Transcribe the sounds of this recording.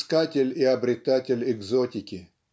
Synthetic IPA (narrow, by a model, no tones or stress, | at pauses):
skatʲɪlʲɪɐbɾʲɪt̪atʲɪlʲɪɡzotʲɪkʲɪ